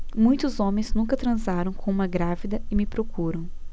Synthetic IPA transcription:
mũj̃t̪ʊzõmẽj̃znũkɐt̪ɾɐ̃zaɾɐ̃w̃kõũmɐɡɾavid̪ɐɪmɪpɾokuɾɐ̃w̃

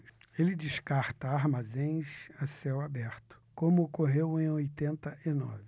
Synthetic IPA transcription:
elɪd͡ʒɪʃkaɾt̪ɐaɾmazẽj̃sasɛwabɛɾt̪ʊ̥kõmʊokoɦewẽj̃ojt̪ẽnt̪ɐʔɪnɔ̰vɪ

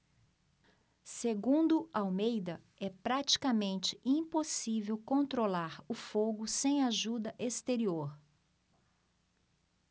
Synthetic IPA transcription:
seɡũnd̪ʊawmejd̪ɐ | ɛpɾat͡ʃi̥kamẽnt͡ʃɪ̥ʔĩposivewkõnt̪ɾolaɾʊfoɡʊsẽj̃aʒud̪ɐʔest̪eɾioɾ

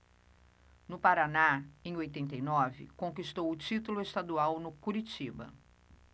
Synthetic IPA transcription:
nʊpaɾanaẽj̃ojt̪ẽnt̪ejnɔvɪ̰kõkist̪owʊt͡ʃit̪ʊlʊest̪ad̪uawnʊkuɾit͡ʃibɐ̰

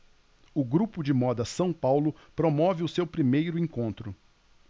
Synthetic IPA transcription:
ʊɡɾupʊd͡ʒɪmɔd̪ɐsɐ̃w̃pawlʊpɾomɔvɪʊsewpɾimejɾʊẽkõnt̪ɾʊ

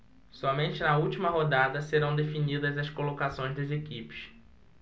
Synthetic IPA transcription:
sɔmẽnt͡ʃɪnɐuwt͡ʃimɐɦod̪ad̪ɐseɾɐ̃w̃d̪efinid̪ɐzɐskolokasõj̃ʒzd̪ɐzekipɪ̥ʃ

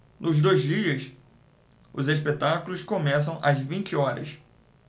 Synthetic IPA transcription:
nʊzd̪ojzd͡ʒiɐs | ʊzeʃpet̪akulʊskõmɛs̬ɐ̃w̃ʔɐzvĩnt͡ʃɪɔɾɐ̰s

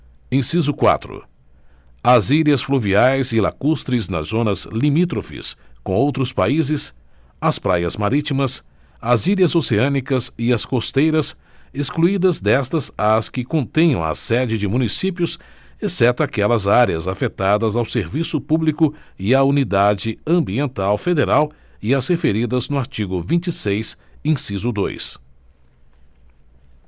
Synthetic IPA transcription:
ẽsizʊkwa̰t̪ɾʊ̰ | ɐzilɐsfluviajzɪla̰kust̪ɾɪznɐ̰zõnɐzlimit̪̬ɾofḭskõw̃owt̪ɾʊspaizɪs | ɐspɾajɐzmaɾit͡ʃimɐs | ɐzilʲɐzoseɐ̃nikɐzɪɐskost̪ejɾɐseskluid̪ɐzd̪ɛst̪ɐzaskɪkõnt̪ẽj̃ɐ̃w̃ɐ̰sɛd͡ʒɪd͡ʒɪmũnisipjʊs | esɛt̪ʊakɛlɐzaɾeɐzafet̪ad̪ɐzawseɾvisʊpublikʊɪaunid̪ad͡ʒɪɐ̃mbiẽnt̪awfed̪eɾaw | ɪɐzhefeɾid̪ɐznʊaɾt͡ʃiɡʊvĩnt͡ʃisejsẽsizʊd̪o̰js

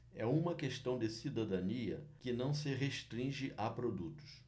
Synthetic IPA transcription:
ɛũmɐkeʃt̪ɐ̃w̃d̪ɪsid̪ad̪aniɐ̰kɪnɐ̃w̃sɪɦeʃt̪ɾĩʒɪʔʔapɾod̪ut̪ʊ̥s

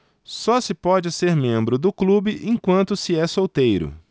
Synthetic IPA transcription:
sɔsɪpɔd͡ʒɪseɾmẽmbɾʊd̪ʊklubɪʔẽkwɐ̃nt̪ʊsɪɛsowt̪ejɾʊ̰

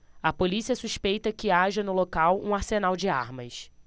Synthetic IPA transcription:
ɐpolisiɐsuʃpejt̪ɐkɪaʒɐnʊlokawũaɾsenawd͡ʒɪa̰ɾmɐs

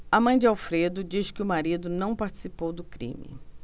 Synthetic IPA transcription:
ɐmɐ̃j̃d͡ʒɪawfɾed̪ʊd͡ʒiʃkɪʊmaɾid̪ʊnɐ̃w̃paɾt͡ʃi̥sipowd̪ʊkɾḭ̃mɪ̰

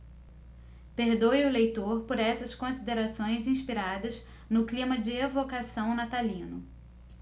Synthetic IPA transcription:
peɾd̪ojʊlejt̪oɾpoɾɛsɐskõsid̪eɾasõj̃zĩʃpiɾad̪ɐz | nʊklĩmɐd͡ʒɪevokasɐ̃w̃nat̪alĩnʊ

